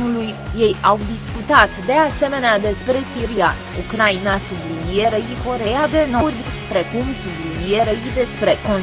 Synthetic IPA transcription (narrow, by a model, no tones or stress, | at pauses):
ulujːe̞jawd̪iskut̪at̪d̪e̞ase̞me̞nead̪e̞spɾe̞siɾija̰ | ukɾajinast̪ud̪unijeɾəiko̞ɾejad̪e̞no̞rd̪ | pɾe̞kumst̪ud̪junijeɾəid̪e̞spɾe̞ko̞n